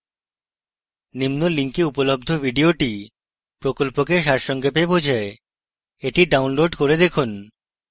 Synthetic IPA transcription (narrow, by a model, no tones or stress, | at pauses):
nimnoliŋkeupolob̚d̪ʱobʱiɖioʈi | pɾokolpokeʃaɾʃɔŋɡepebod͡ʑʱae | eʈiɖawnloɖkoɾed̪ekʰun